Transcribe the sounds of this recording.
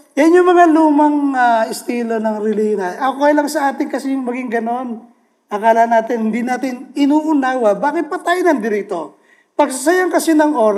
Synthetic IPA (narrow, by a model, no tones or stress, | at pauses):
janjʊŋmɐŋaluːmɐŋaɪst̪iːlo̞nɐŋɾɪliːɾɐʔɐkokɐjlɐŋsɐʔaːt̪ɪnkɐsɛjʊŋmɐɡɪŋɡɐno̞n | ʔɐkaːlɐnaːt̪ɪnhɪnd̪inaːt̪ɪnɪnuːʔʊnawabaːkɪt̪̚pɐt̪ajnɐŋd̪ɪɾit̪o̞ | pɐɡ̚sɐsɐjaŋkɐsɛnɐŋʔo̞ːɾ